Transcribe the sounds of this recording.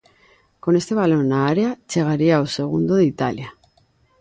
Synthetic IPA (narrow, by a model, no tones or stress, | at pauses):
kone̞st̪eβ̞alonaaɾeat͡ʃeɣ̞aɾiaoseɣ̞und̪oðit̪a̰lja